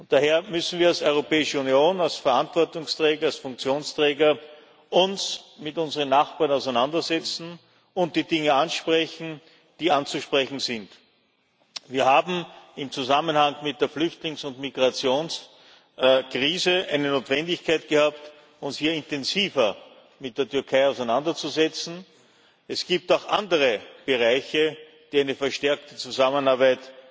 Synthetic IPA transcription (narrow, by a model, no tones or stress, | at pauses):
ʊnt̚d̥aɦeːɐmʏsn̩viːɐalsɔʏʁopɛːɪʃəunjoːnalsfɛɐantv̥ɔɐtʊŋstʁ̥ɛːɡɐalsfʊ̃ŋk̚t͡sjoːnstʁ̥ɛːɡɐ | ʔʊnsmɪtʊnzəʁənːaχb̥aːɐnaʊsæɪnandɐzɛt͡sn̩ | ʊnt̚d̥iːdɪŋəanʃpʁɛçn̩ | d̥iːant͡suʃpʁɛçn̩zɪnt | viːɐhaːbm̩ɪmt͡suzamənhaŋmɪt̚d̥eːɐflʏçtlɪŋsʊntmiɡʁat͡sjoːns | kʁ̥iːzəʔæɪnənoːtv̥ɛndɪçkʰæɪt̚ɡ̥əhaːp̚t | ʊnshiːɐɪntɛnziːvɐ | mɪt̚d̥eːɐtʏɐkʰaɪɑʊsɛɪnandɐt͡suzɛt͡sn̩ | ɛsɡ̥iːp̚taʊxʔandəʁəb̥əʁaɪçə | d̥iːæɪnəfɛɐʃtɛɐktət͡suzamənaːɐbæɪt